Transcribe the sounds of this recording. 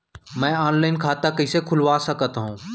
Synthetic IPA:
mɛ̃ːɔːnlaːɪnkʰaːt̪akəɪsekʰʊlʋaːsəkət̪ɦũː

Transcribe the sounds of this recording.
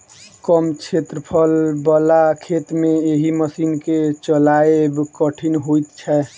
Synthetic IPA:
kəmt͡ʃʰet̪ɾəpʰəlbəlakʰet̪mẽeɦiməsiːnket͡ʃəlaebkəʈʰinɦoit̪t͡ʃʰɛ

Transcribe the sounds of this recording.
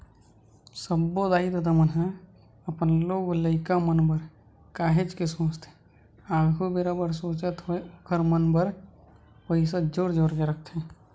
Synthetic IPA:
səbːod̪aːid̪ɐd̪amənɦa | əpənloːɡləɪkamənbəɾ | kaːɦet͡ʃkesõːt͡ʃt̪ʰe̥ | aːɡʱubeɾabəɾsoːt͡ʃət̪ɦoekʰəɾmənbəɾ | pəis̬ad͡ʒoːɾd͡ʒoːɾkeɾək̚ʰt̪ʰɛ̃ː

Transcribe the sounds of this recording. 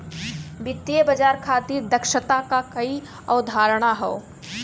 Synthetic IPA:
bɪt̪ːjebəd͡ʒaːɾkʰat̪iɾd̪əkʃət̪akakɐi | ɔʊd̪ʱaːɾɽ̃aɦɛo

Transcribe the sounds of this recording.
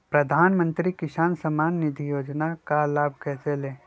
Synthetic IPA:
pɾɐd̪ʱaːnmə̃nt̪ɾikɪsaːnsəmaːnːɪd̪ʱijoːd͡ʒnakalaːbʱkɛːseleː

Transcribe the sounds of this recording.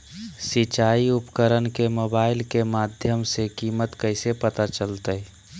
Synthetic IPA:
sit͡ʃaːiʊpkəɾənkemoːbaːɪlkemaːd̪ʱjəmsekiːmət̪kəɪsepət̪at͡ʃəlt̪ə

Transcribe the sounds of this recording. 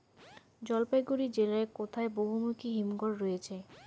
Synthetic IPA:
d͡ʑɔlpajɡuɾid͡ʑelaekot̪ʰaeboɦumukʰiɦimɡoɾːɔjet͡ɕʰe

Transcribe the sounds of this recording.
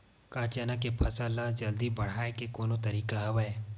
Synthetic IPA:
kaːt͡ʃeːnakepʰɐsalad͡ʒɐld̪ibɐɽ̤aːekekoːnot̪ɐɾiːkaɦɐbaeː

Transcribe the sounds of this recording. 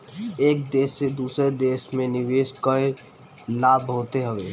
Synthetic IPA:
eːk̚d̪eːsːed̪uːsɾed̪eːʃmẽnɪʋeːskəe | laːbɦoːt̪eɦəʋeː

